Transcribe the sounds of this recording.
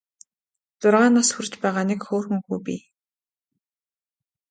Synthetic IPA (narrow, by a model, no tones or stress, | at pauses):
t͡sʊrʁaːnasxurt͡ɕpæːʁaːnɪkxoːrxɘ̆ŋxuːpʲḭː